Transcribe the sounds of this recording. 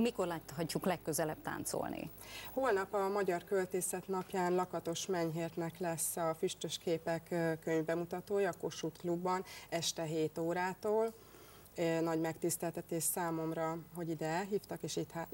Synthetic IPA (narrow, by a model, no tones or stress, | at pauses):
miko̞rlaːt̪ɦɒcːuklɛkːøzɛlɛb̚t̪a̰ːnt̪so̰lnḭ | hoːlnɒpɒmɒɟɒrkølt̪eːsɛt̪nɒpjaːnlɒkɒt̪o̞ʃmɛɲɦeːrt̪nɛklɛsːɒfyʃt̪øʃkeːpɛkːkːøɲvbɛmut̪ɒt̪oːjɒːko̞ʃut̪klubːɒnɛʃt̪ɛɦeːt̪oːɾaːt̪oːl | nɒɟmɛkt̪ist̪ɛlt̪ɛt̪eːʃsaːmo̞mrɒɦo̞ɟid̪ɛɛlɦiːft̪ɒkeːʃit̪ha